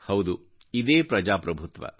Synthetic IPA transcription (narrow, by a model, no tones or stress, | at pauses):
hɐwd̪u | id̪eːpɾɐd͡ʒaːpɾɐbʱut̪ʋɐ̰